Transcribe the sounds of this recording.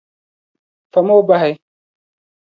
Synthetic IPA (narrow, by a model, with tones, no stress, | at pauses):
fa˨mo˦wba˦ɦa˨j